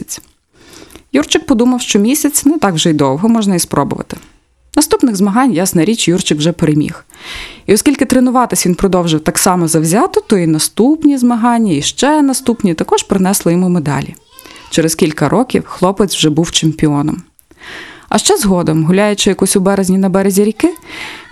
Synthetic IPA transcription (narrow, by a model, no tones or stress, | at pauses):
t͡sʲ | jurt͡ʃɪk̚pɔd̪umɐwʃt͡ʃɔmʲisʲɐt͡sʲnɛt̪ɑkwʒɛid̪ɔwɦɔmɔʒnɐispɾɔbʊ̰ʋɐ̰t̪ɪ̥ | nɐst̪upnɪɣzmɐɦɑnʲjɑsnɐɾʲit͡ʃjurt͡ʃɪkwʒɛpeɾemʲḭxiɔskʲilʲkɪt̪ɾenʊʋɑt̪ɪsʲʋʲinpɾɔd̪ɔwʒɪwt̪ɑksɑmɔzɐwzʲɑt̪ɪt̪ɔinɐst̪upnʲizmɐɦɑnʲːɐiʃt͡ʃɛnɐst̪upnʲit̪ɐkɔʃpɾɪnɛslˠɔjimumed̪ɑ̰lʲḭ | t͡ʃeɾeskʲilʲkɐɾʔɔkʲiwxlˠɔpɪt͡sʲwʒɛbuwt͡ʃemʲpʲiɔnɔ̰m | ɐ̰ʃt͡ʃɛzɦɔd̪ɔmɦʊlʲajʊt͡ʃɪjɐkɔsʲʊbɛɾezʲnʲinɐbɛɾezʲiɾʲikɪ